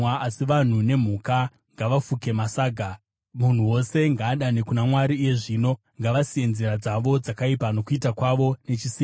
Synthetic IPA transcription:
aʔasiʋan̤une̞m̤uka | ŋɡaʋafuke̞masaːɡʱa | mun̤uwo̞se̞ŋɡaːɗanekunamwaɾiːje̞ʐiːno̞ | ŋɡaʋasije̞nzeɾad͡zaʋo̞d͡zakaipano̞kuitakwaʋo̞ne̞t͡ʃisiː

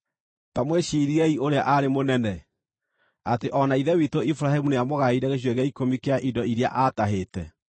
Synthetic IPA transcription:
tamweɕiɾiɛiʔoɾeaʔaɾemonɛnɛ | ateʔɔnaiðɛwitoifuɾaɦemuneamoɣaiɾɛɣeɕ̬weɣɛikomikeaʔidɔiɾja̰ʔataɦeːtɛ̰

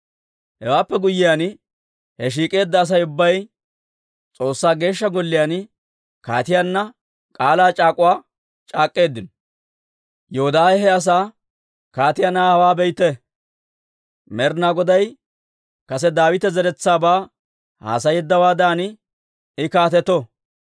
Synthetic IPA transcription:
hɛwaːpːɛɡʊjːɪjaːn | hɛʃ̬iːkʼe̞ːd̪ːɐːs̬ɐjʊbːɐj | t͡sʼo̞ːsːaːɡe̞ːʃːɐɡɔlːɪjaːn | ka̰ːt̪ɪjaːnːɐ | kʼaːlaːt͡ʃʼaːkʼʊwaː | t͡ʃʼaːkʼːe̞ːd̪ːɪnɔ | jɛhɔd̪aːjɛɦɛɐs̬aː | kaːt̪ɪjanaːhɐwaːbɛjt̪ːɛ | mɛɾnaɡɔd̪ɐj | kɐsɛd̪aːwɪt̪ɛzɛɾɛt͡sːaːbaː | ha̰ːsɐjɛd̪ːɐwaːd̪aːnɪ | ɪkaːt̪ɛt̪ːɔ

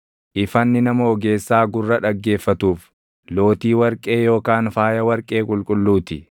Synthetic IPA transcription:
ʔɪfɐnːɪnɐmɐɔɡe̞ːsːaːɡʊrːɐᶑɐɡːe̞ːfːɐt̪uːf | lo̞ːt̪iːwɐɾkʼe̞ːjo̞ːkaːnfaːjɐwɐɾkʼe̞ːkʼʊlkʼʊlːuːt̪ɪ

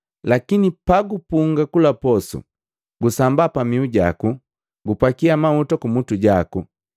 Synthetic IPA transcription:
lakinipaɡupuŋɡakulapɔsṵ | ɡusambapamiuɟa̰ku | ɡupakiamautɔkumutuɟaku

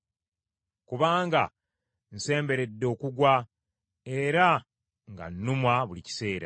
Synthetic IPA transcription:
kuβaːŋɡa̰ | n̩se̞ːmbe̞ɾe̞dːo̞ːkuɡwa | e̞ɾa | ŋɡa̰nːumwaβulici̥se̞ːɾa̰

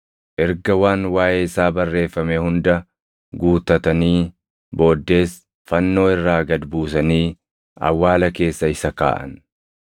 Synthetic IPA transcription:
ʔɛɾɡɐwaːnwaːʔeːɪsaːbɐrːe̞ːfːɐmeːhʊnd̪ɐ | ɡuːt̪ɐt̪ɐniː | bo̞ːd̪ːe̞ːs | fɐnːo̞ːɪrːaːɡɐd̪buːsɐniː | ɐ̰wːaːlɐke̞ːsːɐɪsɐka̰ːʔɐ̰n

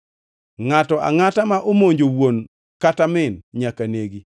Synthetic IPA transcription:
ŋatɔʔa̰ŋatamaʔomoɲd͡ʒowwon | katamɪnɲakaneɡi

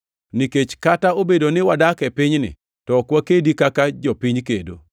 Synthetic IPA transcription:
niket͡ʃkataobedonɪwadakɛpɪɲnɪ̰ | tɔkwakedikakad͡ʒɔpiɲkedo̰

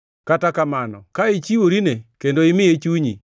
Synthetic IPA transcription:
katakamanɔ̰kaɪt͡ʃiwoɾinekendoɪmɪet͡ʃuɲi

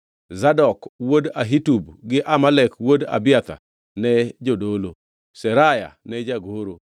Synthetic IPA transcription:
zadɔkwodaɦitubɡɪʔamalɛkwoda̰bɪat̪a̰ | nɛd͡ʒodolo | sɛɾaja̰nɛd͡ʒaɡoɾo

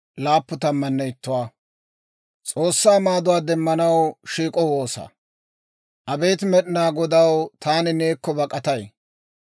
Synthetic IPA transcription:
laːpːʊt̪ɐmːɐnːɛɪt̪ːʊwaː | t͡sʼo̞ːsːaːmaːd̪ʊwaːd̪ɛmːɐnɐwʃiːkʼɔwo̞ːsɐ̰ | ʔɐbejt̪mɛɗɪnaːɡɔd̪ɐwt̪aːnɪneːkːɔbɐkʼɐt̪ɐj

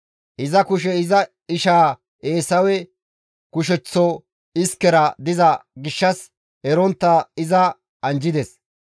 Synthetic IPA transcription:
ʔɪzɐkʊʃ̬ɛɪzɐ | ɪʃaː | e̞ːsɐwɛ | kʊʃɛt͡sːɔ | ɪskːɛɾɐd̪ɪzɐɡɪʃːɐs | ɛɾɔnt̪ːɐɪzɐ | ɐnd͡ʒɪd̪ɛs

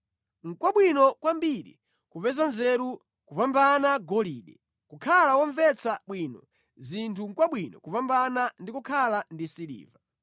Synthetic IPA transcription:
ŋ̩kwaɓwinɔkwambiɾḭ | kupɛzanzɛɾu | kupambanaɡɔliːɗɛ | kukʰalawɔɱvɛt͡saɓwiːnɔ | zintʰuŋ̩kwaɓwinɔkupambanandikukʰalandisilḭːva

